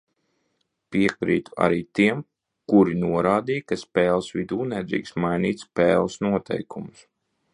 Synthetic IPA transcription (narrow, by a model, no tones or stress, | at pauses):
piɛkɾḭːt̪u̥a̰ɾiːt̪iɛm | kuɾinuɔɾaːd̪iːjkaspɛːlˠsʋid̪uːnɛd̪ɾḭːksmajniːt̪spɛːlˠsnuɔt̪ʰɛ̰jkumʊs